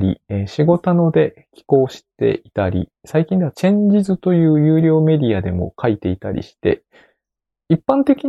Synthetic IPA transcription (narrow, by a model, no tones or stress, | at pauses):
ɾʲḭeɕiɡo̞t̪ano̞d̪e̞ | kʲi̥ko̞ːɕi̥t̪e̞̰ʔit̪aɾʲḭsaikʲĩnd̪e̞at͡ɕẽ̞ɲ̟d͡ʑizɨt̪o̞jɯ̟ːjɯːɾʲo̞ːme̞dʲiad̪e̞mo̞̰kʰait̪e̞it̪aɾʲḭɕi̥t̪e̞̰ | ipːãnt̪e̞kʲi